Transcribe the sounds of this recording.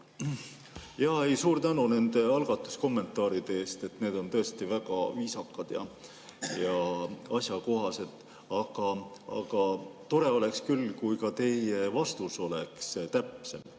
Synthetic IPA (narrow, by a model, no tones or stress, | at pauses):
jɑhe̞jsuːɾt̪ænune̞nd̪̥e̞ɑlɡ̥ɑt̪ːˑu̥sko̞mːe̞nt̪ːˑɑːɾid̪̥eeːst̪e̞t̪ne̞ːd̪̥o̞nt̪ɤ̞est̪ivæɡ̥ɑ̰viːsɑkːˑɑd̪̥jɑ̰ | jɑɑsʲjɑko̞ɦɑse̞d̪̥ | ɑɡ̥ɑɑ̰ɡ̥ɑt̪o̞ɾe̞o̞le̞kskylːkujkɑt̪e̞je̞vɑst̪uso̞le̞kst̪æpse̞m